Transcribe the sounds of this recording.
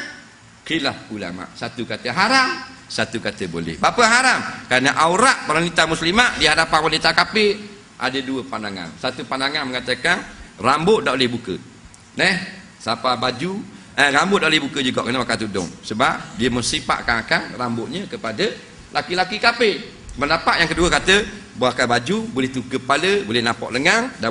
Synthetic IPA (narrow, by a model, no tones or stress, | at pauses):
kɾilahula̰ma̰ʔsat̪ukat̪əɦaɾamsat̪ukat̪əbo̰lɛ̰hbapəɦaɾamkaɾnəʔauɾaʔbaɾanit̪amuslimaʔdiəɦadapanwanit̪akape | ʔa̰dəduəpandaŋa̰nsat̪upandaŋanməŋat̪əkanrambʊʔdaʔolɪhbukə̰ | nɛh | sapabad͡ʒu | ərambʊt̪̚daʔolɪhbukəd͡ʒuɡɔ̰ʔkənəmakat̪udʊ̰ŋsəbap̚diəməŋsipa̰ʔkanakanrambʊʔɲəkəpadə | lakilakikape | məndapaʔjaŋkəduəkat̪əboakabad͡ʒubolɛht̪ukəpaləbolɪnapɔ̰ʔləŋaŋda